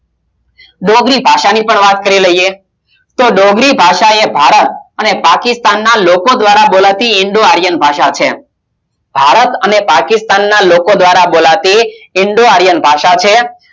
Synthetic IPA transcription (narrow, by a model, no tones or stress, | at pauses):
ɖoɡɾibʱaʃanipəɳʋat̪kəɾiləije | t̪oɖoɡɾibʱaʃaebʱaɾət̪ənepakɪst̪anːalokod̪ʋaɾabolat̪iɪɳɖoaɾjənbʱaʃat͡ʃʰe | bʱaɾət̪ənepakɪst̪anːalokod̪ʋaɾabolat̪iɪɳɖoaɾjənbʱaʃat͡ʃʰe